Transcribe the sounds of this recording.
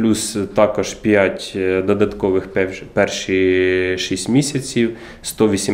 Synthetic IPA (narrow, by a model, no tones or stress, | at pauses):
lʲust̪ɑkɔʒpʲjatʲd̪ɔd̪ɐt̪kɔʋɪxppɛrʃiʃisʲtʲmʲisʲɐt͡sʲiw | st̪ɔʋʲisʲi